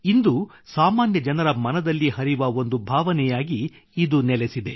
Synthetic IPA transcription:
ind̪u | saːmaːnjɐd͡ʒɐnɐɾɐmɐnɐd̪ɐlːiɦɐɾiʋɐo̞nd̪ubʱaːʋɐnɛjaːɡiː | d̪unɛlesid̪e̞

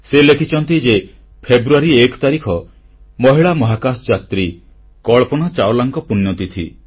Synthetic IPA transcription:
selekʰit͡ʃʰɔnt̪id͡ʒe | pʰebɾuaɾiekɔ̥t̪aɾikʰɔ | mɔɦiɭamɔɦakasd͡ʒat̪ɾi | kɔɭpɔñat͡ʃawlaŋkɔpunjɔt̪it̪ʰḭ

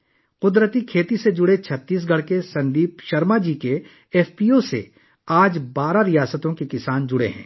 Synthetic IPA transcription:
qʊd̪ɾət̪ikʰeːt̪ised͡ʒʊɽet͡ʃʰɐt̪ːiːs̬ɡʱɐɽ̤kesɐ̃nd̪iːpʃɐɾmad͡ʒiːke | ɛːfpiːosḛ | aːd͡ʒbaːɾaɾijaːsət̪õkekɪsaːnd͡ʒʊɽḛɦɛ̰̃ː

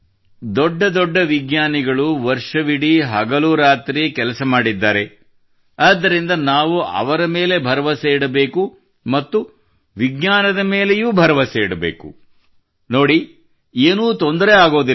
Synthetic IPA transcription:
d̪ɔɖːɐd̪ɔɖːɐʋiɡɲaːniɡɐɭuʋɐɾʂɐʋiɽiɦɐɡɐluːɾaːt̪ɾikɛlɐsɐmaːɽid̪ːaːɾe̞ | ɐːd̪ːɐɾind̪ɐnaːʋuɐ̰ʋɐɾɐme̞ːle̞bʱɐɾɐʋɐseːɽɐbeːku | mɐt̪ːu | ʋiɡɲaːnɐd̪ɐme̞ːle̞juːbʱɐɾɐʋɐseːɽɐbḛːkṵ | no̞ːɽi | eːnuːt̪ond̪ɐɾeaːɡo̞ːd̪i

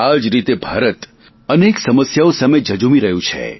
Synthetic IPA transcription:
ad͡ʒɾit̪ebʱaɾət̪ | əneksəməsjaosamed͡ʒəd͡ʒumiɾəɦjũt͡ʃʰḛ

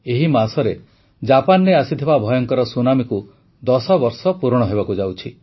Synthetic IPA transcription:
eɦimasɔɾe | d͡ʒapanɾeasit̪ʰibabʱɔjɔŋkɔɾɔsunamiku | d̪ɔsɔbɔɾsɔpuɾɽ̃ɔɦebakud͡ʒawt͡ʃʰi

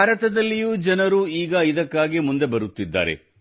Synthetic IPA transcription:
baːɾɐt̪ɐd̪ɐlːijuːd͡ʒɐnɐɾuiːɡɐid̪ɐkːaːɡimund̪e̞bɐɾut̪ːid̪ːa̰ːɾḛ

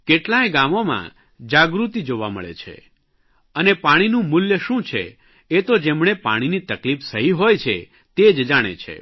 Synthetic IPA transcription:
keʈlaeɡamomã̰ | d͡ʒaɡɾut̪id͡ʒoʋamə̰ɭḛt͡ʃʰḛ | ənepaɽ̃inũmʊljəʃũt͡ʃʰḛ | et̪od͡ʒemɳ̃epa̰ɽ̃init̪əklifsəɦiɦojt͡ʃʰe | t̪ed͡ʒd͡ʒaɽ̃ḛt͡ʃʰḛ

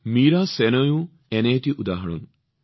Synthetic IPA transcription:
miːɾasenɐjũ | enejt̪iʔud̪aːɦɐɽ̃ṵn

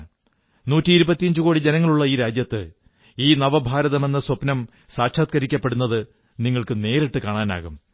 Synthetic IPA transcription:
nuːtːiːɾubɐt̪ːijɐɲd͡ʑɨko̞ːɽid͡ʑe̞nɐŋːɐɭuɭːɐiːɾaːd͡ʑjɐt̪ːɨ | iːnɐʋɐbʱaːɾɐðɐme̞nːɐswɐpnɐm | saːkʂaːt̪̚kɐɾikʲːɐpːeɽunːɐðɨ | niŋːɐɭkɨne̞ːɾiʈːɨkaːɳaːna̰ːɣum

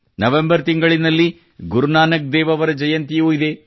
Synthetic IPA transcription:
nɐʋembɐɾt̪iŋɡɐɭinɐlːi | ɡuɾunaːnɐk̚d̪ɛːʋɐʋɐɾɐd͡ʒɐjɐnt̪ijuːid̪e̞

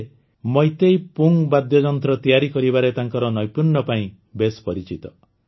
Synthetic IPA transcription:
mɔjt̪ejpuŋbad̪jɔd͡ʒɔnt̪ɾɔt̪ijaɾikɔɾibaɾet̪aŋkɔɾɔnɔjpuɾɳɔpaĩ | bespɔɾit͡ʃit̪ɔ

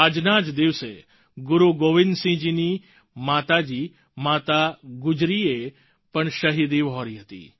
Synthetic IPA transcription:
əd͡ʒnaːd͡ʒd̪ɪʋsḛ | ɡʊɾuɡoːʋɪnd̪sĩd͡ʒiːni | maːt̪ad͡ʒiː | maːt̪aɡʊd͡ʒɾie | pɐɳʃɐɦiːd̪iʋɔːɾiɦɐt̪ḭː

